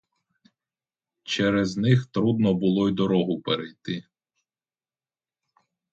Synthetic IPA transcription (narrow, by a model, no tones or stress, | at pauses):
t͡ʃɛɾɛznɪxt̪ɾud̪̚nɔbʊlˠɔid̪ɔɾɔɦʊpeɾejt̪ɪ